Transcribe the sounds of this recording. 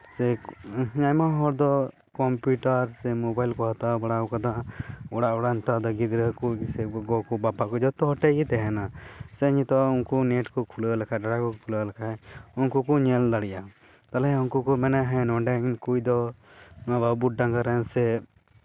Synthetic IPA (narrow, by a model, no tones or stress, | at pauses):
sɛɲajmaɦɔɾd̪ɔ | kɔmpuʈaɾsɛmɔbajlkɔɦat̪abaɽaɔkad̪aʔɔɽaʔɔɽant̪ad̪ɔɡid̪ɾəkusɛɡɔkɔbapaʔkɔd͡ʒɔt̪ɔɦɔʈɛit̪ɛɦɛnasɛɲit̪ɔunkɔneʈkɔkʰuləlakʰaɖaɽakɔkʰuləlakʰaɛunkukɔɲɛld̪aɽiʔa | t̪alɛɦɛunkɔkɔmɛnɛɦɛ̃nɔ̃ɖɛnkujd̪ɔ | ababuʈ̚ɖãŋkaɾɛnsɛ